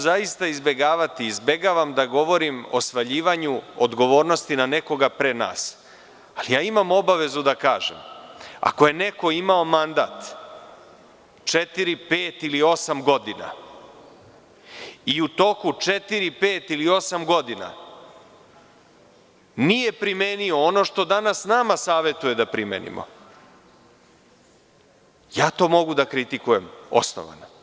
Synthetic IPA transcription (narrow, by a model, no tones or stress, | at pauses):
zaist̪aizbe̞ɡaːʋat̪iːzbe̞ɡaʋamd̪aɡo̞ʋo̞ɾimo̞sʋaʎiːʋaɲuod̪ɡo̞ʋo̞ːɾno̞st̪inane̞ko̞ɡapɾena̰ːs | alijaːimamo̞baʋe̞zud̪akaːʒḛma̰ko̞je̞ne̞ko̞imao̞mand̪a̰ːt̪ | t͡ʃe̞t̪iɾipe̞ːt̪ilio̞samɡo̞d̪ina̰ | iut̪o̞kut͡ʂet̪iɾipeːt̪ilio̞samɡo̞d̪ina̰ | nije̞pɾimenio̞ono̞ʃt̪o̞d̪anasnaːmasaːʋe̞t̪uje̞d̪apɾimeːnḭmʔo̰ | jaːt̪o̞ːmo̞ɡud̪akɾit̪ikuje̞mo̞̰sno̰ʋa̰no̰